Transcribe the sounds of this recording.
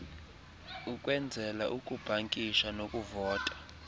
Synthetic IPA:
ukʼwɛnd͡zʱɛlaʔukʼub̥ʱaŋkʼiʃanokʼuvɔːtʼḁ

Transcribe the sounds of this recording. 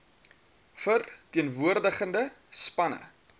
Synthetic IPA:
fərtiənvuərdəχəndə | spɐnə̰

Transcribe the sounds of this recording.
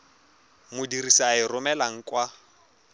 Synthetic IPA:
mʊdirisaɪrʊmɛlaŋ̩kʼwa

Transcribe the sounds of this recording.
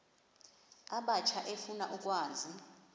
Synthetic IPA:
aɓat͡ʃʰaʔefunaʔuk̬ʼwaːzʱi

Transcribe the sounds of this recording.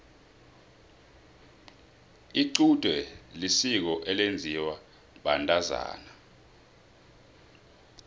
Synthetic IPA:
iǀud̥ʼʱwɛlisik̬ɔʔɛlend͡zʱiwa | ɓantʼaza̰ːna

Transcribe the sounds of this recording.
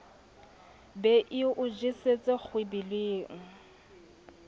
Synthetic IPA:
bɛʔɪʔʊd͡ʒiset͡sʼɪk͡xʰwebileːŋ̩

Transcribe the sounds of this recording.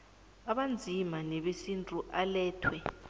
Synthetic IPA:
aɓand͡zʱimanɛɓesintʼuʔalɛːtʰwɛ

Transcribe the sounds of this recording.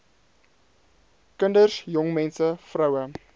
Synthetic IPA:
kəndərsjɔŋmɛnsəfrəwə

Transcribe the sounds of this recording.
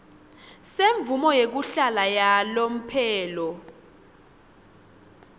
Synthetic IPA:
seɱb̪vumɔjek̬uɬalajalom̩pʰɛːlɔ

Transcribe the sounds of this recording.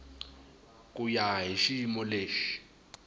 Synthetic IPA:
kʼujaɦiʃimɔleːʃi̥

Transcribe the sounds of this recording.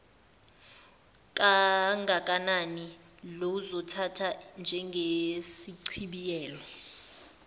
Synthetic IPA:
kʼaŋʱakʼanani | lozɔtʰatʰand͡ʒʱɛŋɡʱesiǀʰiɓijɛːlɔ

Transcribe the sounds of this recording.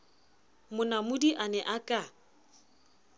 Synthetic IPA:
mʊnamʊdiʔanɛʔakʼa

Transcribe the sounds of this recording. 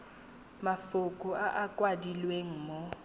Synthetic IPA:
mafʊkʼʊaʔakʼwadilweŋ̩ːmo

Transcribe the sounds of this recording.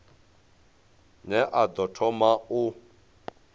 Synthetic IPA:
nɛʔad̪ɔtʰɔmau

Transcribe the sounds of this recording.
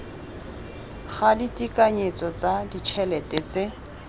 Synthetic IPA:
ɣaditʼikʼaɲet͡sɔt͡sadit͡ʃʰɛlɛtʼɛt͡sɪ

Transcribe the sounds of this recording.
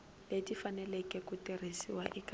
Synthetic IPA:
ledifanɛlɛkʼɛkutirisiwa̰ʔik

